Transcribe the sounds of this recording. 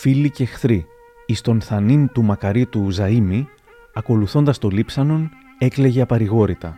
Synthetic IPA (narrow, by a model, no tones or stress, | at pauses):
filice̞xθɾiː | st̪o̞nθɐnint̪umɐkɐɾit̪uzɐimi | ɐko̞luθo̞nd̪ɐst̪o̞lipsɐno̞n | e̞kle̞ʝe̞ɐpɐɾiɣo̞ɾit̪ɐ